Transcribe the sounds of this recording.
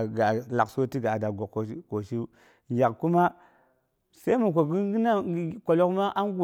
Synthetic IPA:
ɡa˨la˨kso˦ti˦ɡa˨da˨ɡo˨kko˨ʃi˦ | ɡʲa˨kku˦ma˦ | se˦mu˨k̬o˨ɡi˦ɡi˦na˦ko˨lo˦kma˦ʔa˦nɡu˨

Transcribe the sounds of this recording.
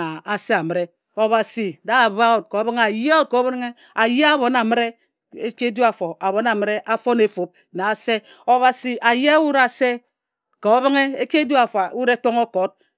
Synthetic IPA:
a˨a˨se˦a˨mɨ˦ɾe˦ | o˨βa˨si˨da˦a˨ba˦wo˨t̚ko˨˦bɨ˦ŋ˦a˨jo˦ko˨˦bɾŋe˦ | a˨je˦a˦bo˨na˨mɨ˦ɾe˦ | e˦ke˦du˦a˨fo˨a˨βo˨˦na˨mɨ˦ɾe˦ʔa˦fo˦ne˨fo˨p̚ | na˨a˨se˦ | o˨βa˨si˨ʔa˨je˦a˦wu˦ɾa˨se˦ | ko˨˦βi˦ŋe˦e˦ke˦dju˦a˨fa˨˦wu˦ɾe˦k͡po˦ŋo˦ko˨˦t̚

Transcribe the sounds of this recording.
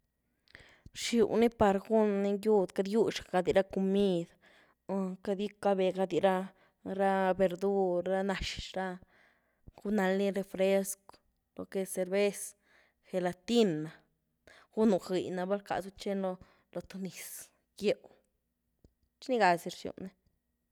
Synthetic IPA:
ɾʃju˨ni˦pa˧ɾɡu˦nni˧ju˦˧d̪ka˧d̪ju˦ʂa˨ɡa˧d̪i˧ɾa˦ko˧mi˦˧d̪ | ka˧d̪ji˦ka˧be˨ɡa˧d̪i˧ɾa˦ | ɾa˦be˧ɾd̪u˦ɾa˦na˨˧ʃɾa˦ | ɡu˦na˧lni˦ɾe˧fɾe˦sko̥˨ | lo̰˧ke˧se˧ɾbe˦s | xe˨˧la˧t̪i˦na˨ | ɡ̥u˦nu˧xi˨na˧ba˦lka̰˨zu˦t͡ʃe˦nlo˧ | lo˧t̪o˧ni˨s | ɡje˧w | t͡ʃni˦ɡa˧si˧ɾʃjṵ˨ʔni˦

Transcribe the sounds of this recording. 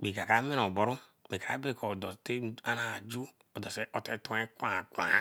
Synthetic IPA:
k͡pi˨ka˨ka˨˦me˦no˨bɔ˨ɾu˦k͡pi˨ka˨a̰˦be˦˨ko˨dɔ˨te˦a˦na˨d͡ʒu˦ | o˨dɔ˨se˦ʔo˨te˦tu˦e˦kʷã˨kʷa̰˨

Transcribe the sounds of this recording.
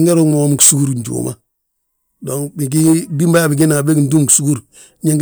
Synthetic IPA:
ŋɡe˦ɾo˦mo˨˦m˨ku̥˨su˦ku˦ɾɲ˨d͡ʒṵ˨mʔa̰˨ | do˨ŋbi˨ɡ̬i˦bi˦mba˦a˨bi˨ɡi˦na˨be˦ɡndu˦mku˨su˦ɡu˦ɾ | ɲe˦ŋɡ

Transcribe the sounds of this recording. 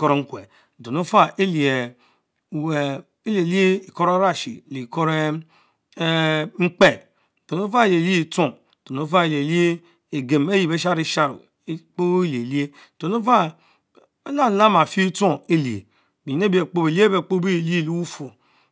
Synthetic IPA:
ko˦ɾe˦ŋ͡m̩˦kʷḛ˨ | do˨no˦fa˦ʔe˦li˨e˨ | we˨ | e˦li˨e˨li˦e˦i˨ko˦ɾa˦ɾa˦ʃḭ˨le˨ko˦ɾe˦ | ŋ͡m̩˦k͡pe˦˨ | do˨no˦fa˦e˨le˨li˦i˨to˦˨ | do˨no˦fa˦e˨le˨li˦e˦ | e˨ɡe˨me˦ji˨be˦ʃa˦ɾi˦ʃa˦ɾṵ˨˦ | k͡po˦le˨li˦e˦˨do˨no˦fa˦ | la˦la˦ma˨fi˦to˦˨e˦li˨ḛ˨ | bi˨ne˦bi˦e˨k͡po˦be˨li˦e˦be˨k͡po˦bi˦e˨li˦e˦˨li˦wu˦fo˨

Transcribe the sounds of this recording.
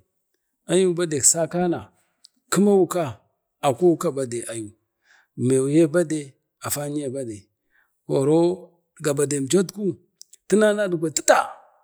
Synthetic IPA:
a˦ju˦ba˦de˨ksa˦ka˦na˨ | ku˦ma˦wu˦ka˦ | a˨kʷo˦wu˦ka˦ba˦de˨ʔa˨ju˨ | me˨wu˨je˦ba˦de˨ | a˨fa˦n˦je˦ba˦de˨ | wo˨ɾo˦ | ɡa˨ba˨de˨d͡ʒo˦tku˦ | ti˦na˦na˦du˨kʷa˨ti˦ta˨

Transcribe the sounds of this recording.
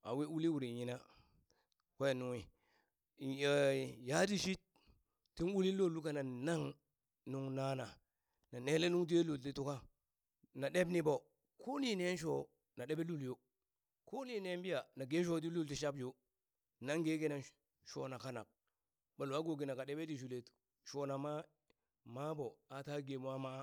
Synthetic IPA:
a̰˨wi˦u˦li˦wu˨ɾi˨ɲi˨na˦ | ke˦˨nu˨ŋi˨ | ja˦di˦ʃi˦t̚ː | i˦nu˦li˦lo˦˨lu˦ka˦na˨na˦ŋ | nu˦ŋna˦na˨ | na˨ne˦le˦nu˦ŋt̬i˦e˦lu˨lti˦tu˦ka˦ | na˨ɗe˦bni˦bo˨ | ko˦ni˦ne˦n˦ʃ̬o˦ | na˨ɗe˦be˦lu˦ljo˦ | ko˦ni˦˨ne˦mbi˦ja˨na˨ɡe˦ʃ̬o˦d̬i˦lu˦lti˦ʃa˦bd͡ʒo˦ | na˦ŋɡe˦ɡe˦na˨n | ʃo˦na˨ka˦na̰˨k̚ | ba˨lu˨a˦ɡo˨ɡi˨na˨ka˨ɗe˦be˦di˨ʃ̬u˨le˨t | ʃo˨na˨ma˦ | ma˦bo˨a˨ta˦ɡe˨m˦a˦ma˦

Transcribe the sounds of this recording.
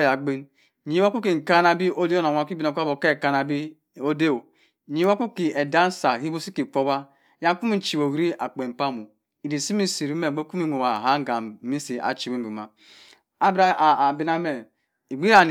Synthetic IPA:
ja˨ɡ͡be˦n˨ | ɲi˦wa˦ku˦ki˨ŋ̩˨ka˦na˨bi˦ʔo˦de˦o˦na˨a˨˦˨ki˦bi˨no˨kʷa˦bo˨ke˦˨ka˦na˨bi˦ | o˦de˦o˨ | ɲi˦wa˦ku˦ki˨e˨da˦n˦sa˨hi˦bo˦si˦ki˨k͡po˦ba˦ | ja˦ŋ˦ku˦mi˦n̩˨t͡ʃi˨bo˨wɾi˦a˨k͡pe˨m̩˨pa˦mu˨ | i˨di˨si˦mi˦si˨ɾi˦me˦˨ɡ͡be˦ku˦mi˦no˨wa˨ɦa˦ŋ˦ɡa˨mi˦si˨a̰˨t͡ʃi˨wi˦m˨bi˨ma˨ | a˦bɾa˦˨bi˦na˦me˨ | i˨ɡ͡bi˦ɾa˨n˨

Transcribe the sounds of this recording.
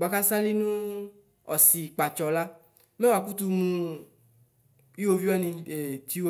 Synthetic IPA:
ɡ͡ba˨ka˦sa˦li˦nũ˦ | ɔ̰˨si˨k͡pa˨t͡ʃɔ˨la˦ | me˦wa˨ku˦tu˧mũ˧ | i˦wo˧vi˦a˦nĩ˧e˨ti˦wo˦

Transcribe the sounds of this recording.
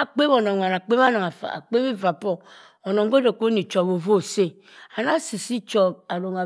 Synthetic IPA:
a˨k͡pe˦bo˨no˨ŋʷa˨na˨k͡pe˦m˦a˦na˨ŋa˨fa̰˨a̰˨k͡pe˦mi˦va˨pɔ˦ | o˨no˨ŋ˦ɡo˦de˨ko˦ni˨t͡ʃo˨bo˨vo˦˨se˦ | a˨na˦si˨si˦t͡ʃɔ˨b̚a˨ɾo˨ŋa˨

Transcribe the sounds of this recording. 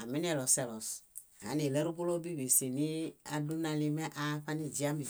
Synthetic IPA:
a˨mi˦n˦ɛ˨lɔ˨sɛ˨lɔ˨s | ha̰˨˦ne˨lɛ˦ɾu˦bo˦lo˦bi˦˨be˨se˨ni˦a˦du˦nã˨˧li˦mɛ˦ʔa˦ɸa˦ni˦d͡ʒi˨˦a˦mi˨

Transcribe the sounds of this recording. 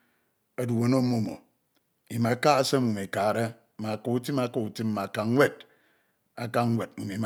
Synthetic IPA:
a˦du˨wo˦no˦mo˦˨mo̰˨ | i˨ma˨˦ka˦a˦se˦mu˨me˨ka˨ɾe˦ | ma˨ko˨u˦ti˦ma˦ko˨u˨ti˦m˦ma˨ka˨ŋ˦wʷe˦d | a˨ka˦ŋ̩˦wʷe˨d̚u˨mi˨˦˨

